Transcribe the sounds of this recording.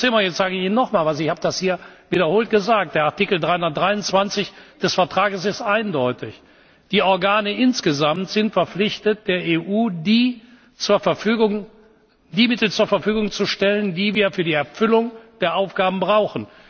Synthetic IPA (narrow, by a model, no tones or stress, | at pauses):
t͡seːlmajɛt͡stz̥aːɡəɪçiːnɔχmaːlvasɪçhaːbədashiːɐviːdɐhoːlt̚ɡ̥əzaːk̚td̥eːɐaɐtikl̩dʁaɪhʊndɐt̚d̥ʁaɪʊnt͡sv̥ant͡sɪçd̥ɛsfɛɐtʁ̥aːɡəsɪstʔaɪndɔʏtɪç | d̥iːʔɔɐɡaːnəʔɪnsɡ̥əzamtz̥ɪntfɛɐflɪçtət̚d̥eːɐʔeːʔuːdiː | t͡suːɐfɛfyːɡʊŋ | diːmɪtl̩t͡suːɐfɛɐfyːɡʊŋt͡suʃtɛləndiːviːɐfyːɐdiːɛɐfʏlʊŋd̥eːɐʔaʊfɡ̥aːbm̩bʁaʊxn̩